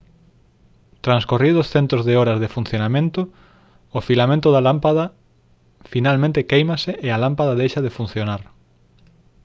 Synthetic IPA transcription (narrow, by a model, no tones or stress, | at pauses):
t̪ɾanskoriðʊsθent̪ɾozðeoɾɐzðefun̟θjonamẽnt̪ʊː | filamẽnt̪ʊðalampaðɐ | finalmẽnt̪ɪkejmasɪʔealampaðaðejʃaðefun̟θjonaɾ